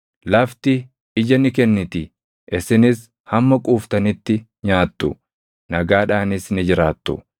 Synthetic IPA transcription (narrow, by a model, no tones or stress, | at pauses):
lɐft̪ɪ | ɪd͡ʒɐnɪkɛnːɪt̪ɪ | ʔɪsɪnɪs | hɐmːɐkʼuːft̪ɐnɪt̪ːɪ | ɲaːt̪ːʊ | nɐɡaːᶑaːnɪsnɪd͡ʒɪɾaːt̪ːʊ̰